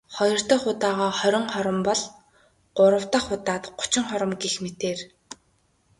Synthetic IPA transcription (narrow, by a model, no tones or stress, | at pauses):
χɔjɞ̆r̥t̪ɞ̆ːχʊt̪aːʁɔːχœɾʲɪ̆ŋχɔɾɞ̆mpɔɮ | ɢ̥ʊɾə̆w̥t̪ə̆χːʊt̪aːt̪ɢʊ̥t͡ɕɪ̆ŋχɔɾə̆mɡexmet̪eːr